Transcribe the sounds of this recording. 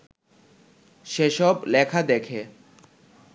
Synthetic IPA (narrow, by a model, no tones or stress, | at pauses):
ʃeʃɔblɛkʰad̪ekʰe